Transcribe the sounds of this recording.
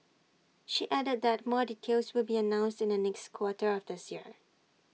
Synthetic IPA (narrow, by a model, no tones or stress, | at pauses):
ʃiʔædəd̚ðɛt̚mɔditʰelswɪlbiənãʊ̃nstɪ̃ndənɛkskʰwɔtəɹɔfdɪsjiɹ